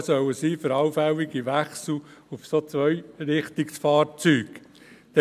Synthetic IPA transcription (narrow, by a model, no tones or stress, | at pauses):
sœwəsiːfəɾɑʊfɛwɪɡiʋæχsl̩ufsot͡sʋœjɾɪχt̪ɪksfɑːɾt͡syːɡ | d̥̪ɛ